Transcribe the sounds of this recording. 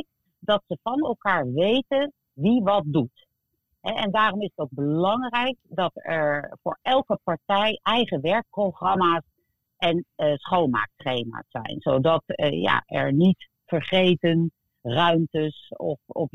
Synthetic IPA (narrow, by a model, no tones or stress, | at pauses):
k | dɑtsəvɑnɛlˠkaːɹʋejtən | ʋiʋɑt̚dut | ɦɛɛndaːrɔmɪsətowɡ̚bəlɑŋrɛjk̚dɑtɛɹfʊ̰ːɹɛlˠkəpɑɹtɛjʔɛjχəʋɛɹk̚prowχrɑmaːs | ʔɛnsχowlˠma̰ːk̚trejma̰ːsːɛ̰jnzowdɑtja̰ʔɛ̰ɹnit | fəɹχejtən | rœɥmtəsɔ̰fɔ̰f